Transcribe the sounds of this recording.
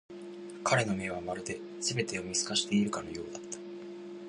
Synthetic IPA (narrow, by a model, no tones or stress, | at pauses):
kaɾe̞no̞me̞βamaɾɯ̟d̪e̞ | sɨbe̞t̪e̞jomʲisɨ̥kaɕi̥t̪e̞iɾɯ̟kano̞jo̞ːd̪at̪ːḁ